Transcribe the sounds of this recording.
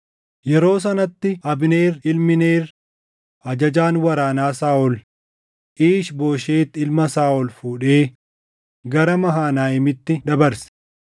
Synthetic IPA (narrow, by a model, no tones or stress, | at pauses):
jɛɾo̞ːs̬ɐnɐt̪ːɪɐbne̞ːrɪlmɪne̞ːr | ʔɐd͡ʒɐd͡ʒaːnwɐɾaːnaːsaːʔɔl | ʔiːʃbo̞ːʃeːt̪ːɪlmɐsaːʔɔlfuːᶑe̞ː | ɡɐɾɐmɐɦaːnaːɪmɪt̪ːɪd̪ɐbɐɾsɛ̥